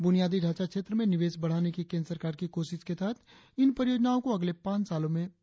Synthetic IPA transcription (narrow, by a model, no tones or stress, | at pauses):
bʊnijaːd̪iɖʱaːt͡ʃakʃeːt̪ɾəmẽnɪʋeːsbɐɽ̤aːnekikẽːnɾəsəɾkaːɾkikoːʃɪʃkesaːt̪ʰ | ɪnpɾəɾɪjoːd͡ʒnaːõkoɐɡlepãːt͡ʃsaːlõmẽ